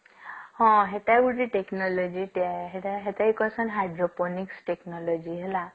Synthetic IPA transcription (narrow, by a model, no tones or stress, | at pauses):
hɔ̃ɦet̪aɡuʈiʈeknɔlɔd͡ʒiʈaɦeaɦet̪ajkɔsɔnɦajɖɾɔpɔniksʈeknɔlɔd͡ʒiɦela